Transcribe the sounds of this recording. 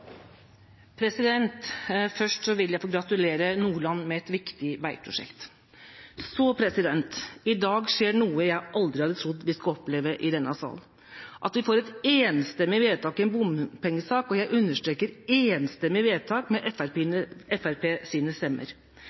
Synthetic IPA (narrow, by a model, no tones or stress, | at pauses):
pʰɾɛsɪd̪ɛnt̪fœʂʈsɔʋɪljæɪfoːɡɾɑt̪ʉleːɾənuːɭɑnːmɛɛt̪ʋɪkt̪ɪʋæɪpʰɾʊ̰ʂɛ̰kt̪ | sɔpʰɾɛsɪd̪ɛnt̪ɪd̪ɑːɡʂeːɳuːəjæɪʔɑld̪ɾɪhɑd̪ət̪ʰɾʊd̪ʋɪskɑɔpleːʋəʔɪd̪ɛnːɑsɑ̰l | ʔɑt̪ʋɪfoːɾɛt̪eːnst̪ɛmːɪʋeːd̪t̪ʰɑːkɪɛnbʊmpʰɛŋːəsɑːkɔjæɪʔʉnːəʂʈɾeːkəɾeːnst̪ɛmːɪʋeːd̪̚t̪ʰɑːkmɛʔɛfæɾpːnəɛfæɾpʰeːsiːnəst̪ɛmːə̰ɾ